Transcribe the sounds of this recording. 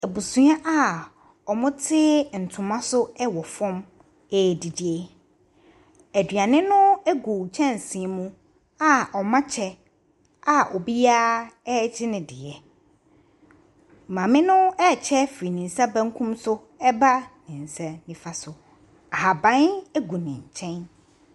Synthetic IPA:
æ˨bu˨sũ˦ã˦ʔa˦ | ɔ˨mʊ̃˦tʰɪ˦n̩˨tʰʊ̃˨mã˦sʊ˦ɛ˦wɔ˨fɔ̃˦m | ɛ˨di˨dɪ˦ɛ˦ | æ˨dɥa˨nɪ̃˦nʊ̃˦ɛ˦ɡo˨t͡ɕʰɛ̃˦n˨sĩ˨ɛ˨mũ˦ | a˦ʔɔ˨mã˦t͡ɕʰɛ˦ | a˨ʔɔ˨bi˦aː˦d͡ʑɪ˦nɪ̃˨dɪ̰˨ɛ˨ | mã˨mɪ̃˦nʊ̃˦ɛ˦˨t͡ɕʰɛ˦fi˨nĩ˨n̩˨sa˦bã˦ŋ˦kʰũ˦msʊ˦ | ɛ˦ba˦nɪ̃˨n̩˨sɛ˦nĩ˨fa˦sʊ˨ | a˨a˨bã˦nɛ˦ɡu˨nɪ̃˨ɲ˨t͡ɕʰɛ̃˦n

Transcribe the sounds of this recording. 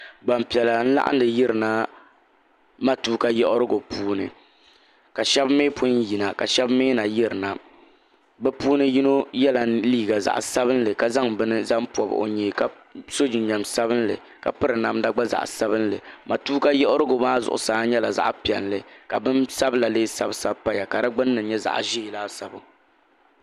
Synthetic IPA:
ɡ͡ba˨mpi˨ɛ˨la˨n̩˦la̰˦ʔa̰˦ndɨ˨jɪ˦ɾɨ˨na˦ | ma˦tuː˦ka˦jɛ˦ʔʊ˦ɾɨ˦ɡo˨puː˦nɨ˨ | ka˨ʃɛ˦bmeː˦pʰʊ˦ji˨na˨ka˨ʃɛ˦bmeː˦na˨jɪ˦ɾɨ˨na˨ | bɛ˦puː˦nɨ˦ji˦no˦jɛ˦la˨liː˦ɡa˨za̰˨ʔsa˦bɨ˦n˦lɨ˨ka˨za˦ŋbɨ˦nɨ˦za˦m˦pɔ˨b̰ʔo̰˨ɲeː˨ka˨ | so˦d͡ʒi˨˦ɲɛ˨msa˦bɨ˦nlɨ̰˨ | ka̰˨pɨ˦ɾɨ˨na˦mda˦ɡ͡ba˦za̰˨ʔsa˦bɨ˦n˦lɨ˨ma˨tuː˦ka˦jɛ˦ʔʊ˦ɾɨ˦ɡo˨baː˦zʊ̰˨ʔʊ̰˨saː˨˦ɲɛ˦la˨za̰˦ʔpi˨ɛ˨nlɨ˨ka˨bɨ˦nsa˦bla˨leː˦sa˦bsa˦bpa˦ja˨ka˨da˦ɡ͡bɨ˦nː˦ɨ˨˦ɲɛ˦za̰˨ʔʒiː˦˨laː˦sa˨bʊ˨

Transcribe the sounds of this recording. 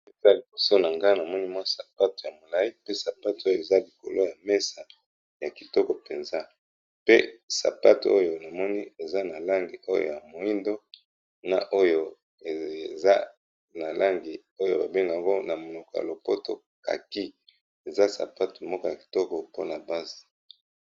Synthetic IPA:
e˨za˦li˨bo˨so˦na˨ŋɡa˦na˨mɔ˦ni˦mwa˦sa˨pa˦tu˨ja˨mo˨la˦i˦pe˦sa˨pa˦tu˨˦o˦jo˨e˨za˦li˨ko̰˨lo˦ja˨mɛ˦sa˨ | ja˨ki˨tɔ˦kɔ˨pe˨nza˦ | pe˦sa̰˨pa˦tṵ˨o˦jo˨na˨mɔ˦ni˦e˨za˦na˨la˦ŋɡi˨ʔo˦jo̰˨ja˨mo˨i˦ndo˦ | na̰˨ʔo˦jo˦ | e˨za˦ | na˨la˦ŋɡi˨ | o˦jo̰˦˨ba˨be˦ŋɡa˨ŋɡo˦na˨mo˨no˨ko˨ja̰˨lo˨po˦to̰˨ | ka̰˨ki˦ | e˨za˦sa̰˨pa˦tu˨mɔ˦kɔ˦ja˨ki̥˨tɔ˦kɔ˨po˦na˨ba˦zi̥˨

